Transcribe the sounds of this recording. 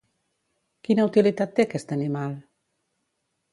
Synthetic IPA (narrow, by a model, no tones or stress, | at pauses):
kinaut̪ilit̪at̪̚ːekɛst̪animal